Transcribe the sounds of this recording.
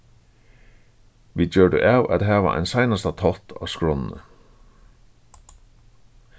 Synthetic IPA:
ʋit͡ɕœːɖə̰ʔawʔa̰t̪ɦæːʋa̰ʔa̰jnsajnast̪at̪ʰɔlt̪ʰa̰ːʋskɹɔnnə̰

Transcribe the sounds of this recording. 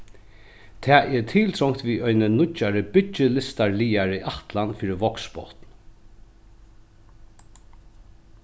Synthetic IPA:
t̪ʰɛːɛɹt̪ʰiːlt̪ʰɾɔŋt̪ʋiːɔjnənʊaɾəbɪt͡ʃːɪlɪst̪aɹliːaɾiʔaht̪lanfiːɾɪʋɔkspɔ̰wt̪n

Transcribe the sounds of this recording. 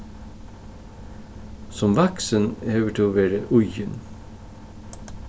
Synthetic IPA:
sɔmʋɑksənøːʋəʈʰɪoːʋeːɾəʔʉjən

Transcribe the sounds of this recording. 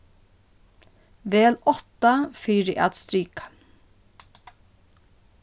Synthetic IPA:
ʋeːlɔt̪ɑfiːɾiʔæ̰t̪st̪ɾiːk

